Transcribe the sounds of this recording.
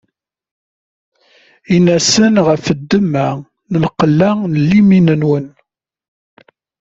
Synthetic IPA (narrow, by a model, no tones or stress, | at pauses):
inæsənʁəfəd̪ːəmːæ | nəlqəlːænəlːiminənwən